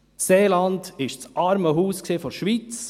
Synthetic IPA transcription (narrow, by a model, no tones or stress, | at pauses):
seːlɑndɪʃt͡sʔɑɾməɦuːsksifɔɾʃʋiːt͡s